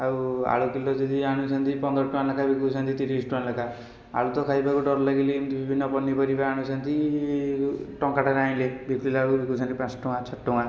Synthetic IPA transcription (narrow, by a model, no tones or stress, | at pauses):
aua̰ɭukilod͡ʒɔd̪iaɽ̃ũt͡ʃʰant̪ipɔnd̪ɾɔʈuanlakʰabikuant̪it̪iɾisʈuanlakʰa | a̰ɭut̪ɔkʰajbakuɖɔɾlaɡilinbibʱinːɔpɔnːipʌɾibaaɽ̃ut͡ʃʰant̪i | ʈɔŋkaʈaɾaj̃lebikilabikut͡ʃʰant̪ipãsʈũŋat͡ʃʰɔʈʈːuŋa